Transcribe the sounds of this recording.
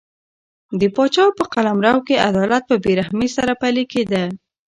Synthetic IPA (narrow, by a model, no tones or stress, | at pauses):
d̪əpɑt͡ʃɑwpəqalamɾawkea̰d̪ɑlat̪̚pəbeɾahmesaɾapaliked̪a